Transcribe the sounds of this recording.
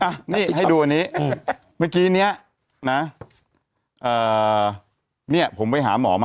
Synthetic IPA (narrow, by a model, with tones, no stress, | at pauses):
ʔa˧˩niː˥˩ɦa˥˩jduː˧ʔa˧niː˦˥ | maː˥˩kiː˦˥ni˦˥ɐ | na˦˥ | ʔɤː˨˩ | ni˥˩ɐpʰo˩˦mpa˧jɦa̰ː˩˦mɔ̰ː˩˦ma˧